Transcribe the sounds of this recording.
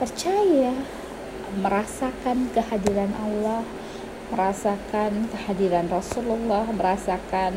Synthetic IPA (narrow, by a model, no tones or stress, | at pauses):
pərt͡ʃaja | məɾasakankəhadiɾanʔalːɔh | məɾasakankəhadiɾanrɔsululːɔhməɾasakan